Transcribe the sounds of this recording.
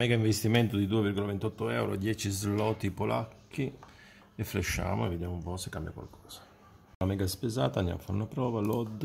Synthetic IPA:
mɛːɡaiɱvest̪imɛnt̪ʊd̪id̪uːevirɡolavent̪ɔt̪ːoɛ̰wɾo̰ad̪jɛːt͡ʃizlɔːt̪ipolʔa̰kʰːi | efːleʃːa̰ːmoevːed̪jamoumpɔsekːambja̰kwa̰lkʰɔ̥ːz̥ḁ | lamɛːɡaspezaːt̪and̪ja̰mafaɾunapɾɔːvalɔd̪

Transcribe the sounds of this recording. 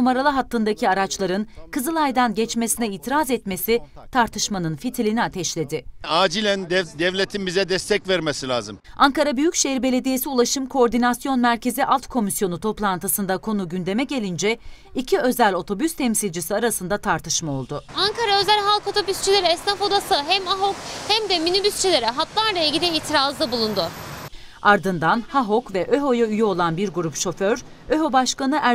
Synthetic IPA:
numaɾalˠaɦat̪ʰːɯnd̪acʰiaɾat͡ʃlˠaɾɯnkɯzɯlˠajd̪anɟɛt͡ʃme̞sinɛiːt̪ʰiɾazɛt̪me̞sit̪ʰaɾt̪ʰɯʃmanɯnfit̪ʰilʲiniat̪ʰɛʃlʲe̞d̪ɪaːd͡ʒilʲænd̪ɛvlʲet̪ʰimizɛd̪ɛst̪ʰɛcvæɾmesilʲaːzɯmaŋkaɾabyjycʃeiɾbe̞lʲe̞d̪ije̞siulˠaʃɯmkʰo̞oɾd̪inasjo̞nmæɾce̞ziʔalˠt̪kʰo̞misjo̞nut̪ʰo̞plˠant̪ʰɯsɯnd̪akʰo̞nuɟynd̪e̞mɛɟe̞lʲind͡ʒɛ | icʰiø̞zælʲo̞t̪ʰo̞byst̪ʰɛmsilʲd͡ʒisiaɾasɯnd̪at̪ʰaɾt̪ʰɯʃmao̞lˠd̪ʊaŋkʰaɾaø̞zælʲɦalˠko̞t̪ʰo̞byst͡ʃʰilʲe̞ɾiɛsnafo̞d̪asɯɦɛmaɦokhæmd̪ɛminybyst͡ʃʰilʲe̞ɾɛɦat̪lˠaɾlˠailʲɟʲilʲiiːt̪ʰiɾazd̪abulˠund̪ʊ | aɾd̪ɯnd̪anhaɦo̞kvɛʔø̞ɦo̞jayjyo̞lˠanbiɾɡuɾupʃo̞føɾ | øɦo̞baʃkanɯʔæ

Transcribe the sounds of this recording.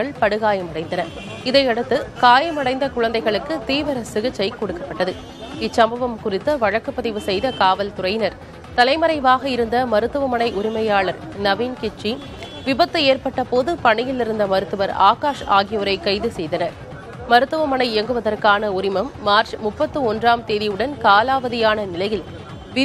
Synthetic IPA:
ɐɭpɐɽɯɣaːjɐmɐɽɐɪnd̪ɐnɐɾ | ɪðɐɪɐɽɯt̪ːɯkaːjɐmɐɽɐɪnd̪ɐkʊɻɐnd̪ɐɪɣɐɭɯkːɯt̪iːʋɐɾɐsɪɣɪt͡ʃːɐɪkːɔɽɯkːɐpːɐʈːɐðɯ | ɪt͡ʃsɐmbɐʋɐmkʊrɪt̪ːɐʋɐɻɐkːɯpːɐðɪʋɯsɛjðɐkaːʋɐlt̪ʊɾɐɪjnɐɾ | t̪ɐlɐɪmɐɾɐɪʋaːɣɐɪɾɯnd̪ɐmɐɾɯt̪ːɯʋɐmɐnɐɪʔʊɾɪmɐjaːɭɐɾ | nɐʋiːnkɪt͡ʃːi | ʋɪbɐt̪ːɯeːɾpɐʈːɐpoːðɯpɐɳɪjɪlɪɾɯnd̪ɐmɐɾɯt̪ːɯʋɐɾa̰ːkaːʂaːɣɪjɐʋɐɾɐɪkːɐɪðɯsɛjðɐnɐɾ | mɐɾɯt̪ːɯʋɐmɐɳɐɪɛŋɡɯʋɐðɐrkaːnɐʊɾɪmɐmːaːɾt͡ʃmʊpːɐt̪ːɯɔndraːmt̪eːðɪjɯɽɐnkaːlaːʋɐðɪjaːnɐnɪlɐjɪl

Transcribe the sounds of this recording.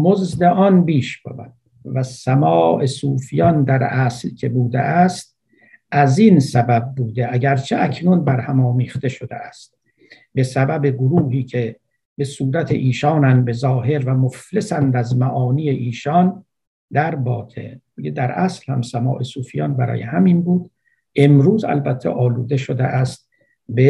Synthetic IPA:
mozd̪eʔɒnbiːʃb̥ḛbæ̰d̪ | væsæmɒːʔesuːfijɒnd̪æɾæslkʲʰe̞buːd̪ḛʔæst̪̚ | æzinsæbæb̚ːuːd̪eʔæɟæɾt͡ʃʰeʔækʰnunbæɾhæmɒːmiːχt̪e̞ʃod̪ḛʔæst̪̚ | be̞sæbæbeɡoɾuːɦiːkʰe | be̞suːɾæt̪ʰḛʔiːʃɒːnænd̪be̞zɒːɦe̞ɾvæmoflesænd̪æzmæʔɒːniːjeʔiːʃɒn | d̪æɾbɒːt̪ʰḛ | ed̪æɾʔæslhæ̰msæmɒ̰ːʔe̞suːfijɒ̰nbæɾɒ̰ːjḛhæminbuːd̪ | ʔe̞mɾuːzæ̰lbæt̪ʰːeʔɒːluːd̪e̞ʃod̪ḛʔæst̪̚ | be

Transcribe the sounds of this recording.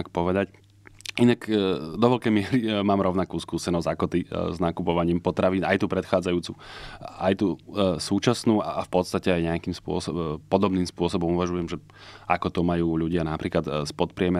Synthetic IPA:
akpɔʋɛd̪ac | inakd̪ɔʋɔʎkɛjmɪɛɾimaːmɾɔʊnakuːskuːsɛnɔzɟakɔt̪iznakupɔʋaɲiːmpɔt̪ɾaʋiːnajt̪uːpɾɛt̪xaːd͡zajuːt͡suʔajt̪uːsuːt͡ʃasnuːa̰ʔafpɔt̪st̪acɛajɲɛakiːmspʊɔ̰sɔpɔd̪ɔbniːmspʊɔsɔbɔmuʋaʒujɛmʒɛ | ʔakɔt̪ɔmajuːʎuɟɪanapɾiːklat̪spɔt̪pɾɪɛmɛ

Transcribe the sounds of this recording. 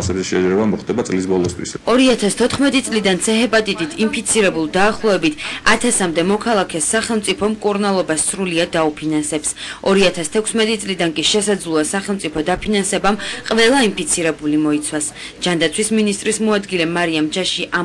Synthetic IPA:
sɛbziʃɛd͡ʒɾɛbamɔχt̪ʼɛbat̪sʼlis̬bɔlˠɔst̪ʰwḭsɔɾiat̪ʰast̪ʰɔt̪ʰχmɛt̪ʼit̪sʼlid̪ant̪sʰɛɦɛpʼat̪ʼit̪ʼit̪ʰimpʰit̪sʰiɾɛbulˠd̪aːχlˠɔɛbit̪ʰa̰t̪ʰasamd̪ɛmɔkʰalˠakʰɛsːaχɛlˠmt̪sʼipʰɔmkʼuɾnalˠɔbasːɾuliad̪ːaupʰinansɛpsɔɾiat̪ʰast̪ʰɛkʷʰsmɛt̪ʼit̪sʼlid̪ankʼiʃɛsad̪zlˠuasaχɛlˠt̪ʼipʰɔd̪apʰinansɛbamqʼvɛlˠaimpʰit̪sʰiɾɛbulimɔit̪sʰwas | d͡ʒand̪at̪sʰwisminist̪ʼɾismɔad̪ɡilɛmaɾiamd͡ʒaʃiʔa

